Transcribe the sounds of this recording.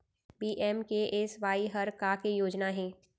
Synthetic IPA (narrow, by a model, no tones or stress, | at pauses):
biːʔɛːmkeʔesʋaːiɦɐɾkakejoːd͡ʒnaɦɛ̃ː